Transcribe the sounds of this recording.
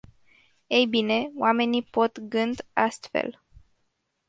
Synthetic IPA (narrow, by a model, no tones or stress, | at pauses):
ejbine̞oame̞nipo̞t̪ɡɨnd̪ast̪fḛl